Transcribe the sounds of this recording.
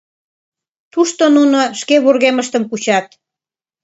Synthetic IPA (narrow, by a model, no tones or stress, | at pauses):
t̪uʃt̪onunoʃkeβurɣeməʃt̪əmkut͡ɕɑt̪